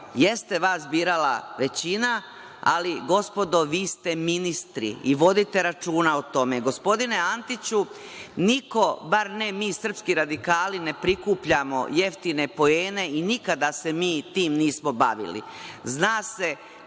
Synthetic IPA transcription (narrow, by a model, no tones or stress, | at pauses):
je̞st̪e̞ʋaːsbiːɾalaʋe̞t͡ɕina | a̰liɡo̞spo̞d̪o̞ʋiːst̪e̞minist̪ɾḭiʋo̞d̪it̪e̞ɾat͡ʃuːnaot̪o̞me̞ɡo̞spo̞d̪ine̞ant̪it͡ɕu | niko̞baɾnemiːsr̩pskiɾad̪ikaːline̞pɾikuːpʎamo̞̰je̞ft̪ine̞po̞eːne̞inikad̪ase̞miːt̪iːmniːsmobaʋḭlḭznaːse̞